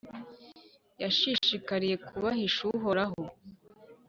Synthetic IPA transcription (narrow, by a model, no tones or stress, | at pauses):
jaʃiʃikaɾije̞kʰuβahiʃuɦo̞ɾaɦo